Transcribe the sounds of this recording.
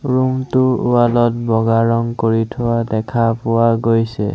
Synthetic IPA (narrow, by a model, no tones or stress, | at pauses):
ɹuŋtʊualɔt̚bɔɡaɹɔŋkoɹitʰʊwadɛkʰapʊwaɡojsɛ̰